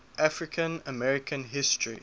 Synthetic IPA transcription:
ʔafɹɪkʰə̃nəmɛɹɪkʰə̃nɦɪstʰɹḭ

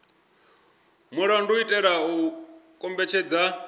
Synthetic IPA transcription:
muɺanduitʼɛɺaukʼɔmbɛt͡ʃʰɛd͡za

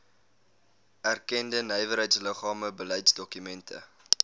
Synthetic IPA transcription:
ærkɛndənəjvəɾɦəjtsləχɑːməbəlɛjtsdɔkymɛntʰə̰

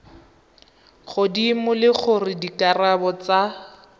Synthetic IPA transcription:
χʊdimʊlɪχʊrɪdikʼarabɔt͡sa

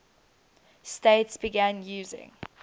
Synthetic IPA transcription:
steɪtsb̥iɡæ̃njʉːzɪ̰̃ŋ

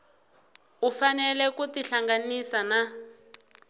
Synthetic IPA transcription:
ufanɛlɛkutiɬaŋɡanisana

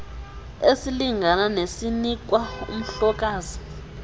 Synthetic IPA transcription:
esiliŋananesinik̬ʼwaṵm̩ɬɔk̬ʼaːzi

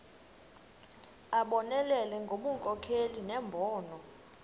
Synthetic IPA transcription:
aɓɔnɛlɛlɛŋɡʱoɓuŋkʼɔkʰelinɛmbʱɔːnɔ

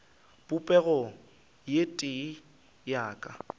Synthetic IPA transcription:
pʼʊpʼɛɣɔ | jetʼɪ | jaːkʼa̰

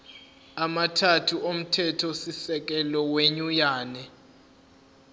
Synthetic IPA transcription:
amatʰatʰuʔom̩tʰɛtʰɔsisɛk̬ɛlɔweɲujaːnɛ

